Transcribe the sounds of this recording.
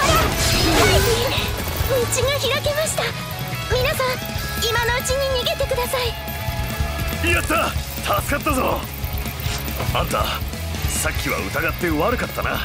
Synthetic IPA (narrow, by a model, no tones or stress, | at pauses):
aɾeaii | mit͡ɕiɡaçiɾake̞maɕi̥t̪a | mʲinasãɰ | imano̞ɯ̟t͡ɕiɲ̟iɲ̟iɡe̞t̪e̞kɯ̟d̪asai | ijat̪ːa | t̪ʰat͡sɨ̥kat̪ːazo̞̰ | ãnt̪a̰ | sakʲːiβa̰ɯ̟t̪aɡat̪ːe̞oβaɾɯ̟kat̪ːana̰